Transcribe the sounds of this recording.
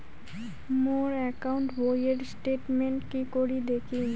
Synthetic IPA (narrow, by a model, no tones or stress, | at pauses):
moɾɛkauɳʈbojeɖsʈeʈmeɳʈkikoɾid̪ekʰi